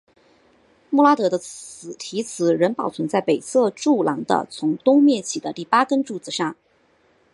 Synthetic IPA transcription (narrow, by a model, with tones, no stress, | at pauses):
mu˥˧la˥t̪ɤ˧˥d̪ə˧t͡s̩˨˩t̪ʰi˧˥t͡sʰɹ̩˨˩ɻə˧˥npɑ˨˩ʊt͡sʰwə˧˥nt͡sa˥˩ɪpe˨˩ɪt͡sʰɤ˥˧ʈ͡ʂu˥˩lɑ˧˥ŋd̪ə̰˧t͡sʰʊ˧˥ŋt̪ʊ˥ŋmjɛ˥˩t͡ɕʰi˨˩d̪ə˦t̪i˥˩pa˥kə˥nʈ͡ʂu˥˩t͡sɹ̩˨˩ʂɑ˥˩ŋ